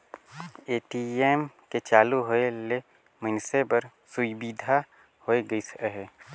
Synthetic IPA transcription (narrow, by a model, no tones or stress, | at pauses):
eːʈiːeːmket͡ʃaːluɦoele | mənsepəɾ | sʊbiːd̪ʱa | hoeɡəisə̥ɦɛ